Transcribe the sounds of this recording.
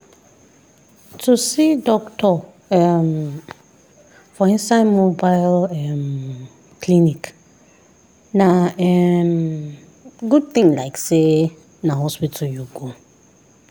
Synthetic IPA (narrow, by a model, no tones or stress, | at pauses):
tʰusidɔktʰɔ | ɛm | fɔĩnsaɪdmobaɪlɛm | kʰlinik | nãɛm | ɡud̚θĩŋlaɪkse | nãhɔspitʰɔjuɡo